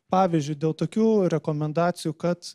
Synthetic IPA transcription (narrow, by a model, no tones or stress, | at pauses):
pɑːʋʲiːzʲd͡ʒʲʊɪd̪ʲeːlˠt̪oːkʲuːɾʲɛkoːmʲɛnd̪ɑːt̪sʲɪjuːkɐt̪